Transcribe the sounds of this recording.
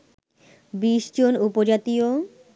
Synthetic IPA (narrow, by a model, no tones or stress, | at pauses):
biʃd͡ʑonupod͡ʑat̪io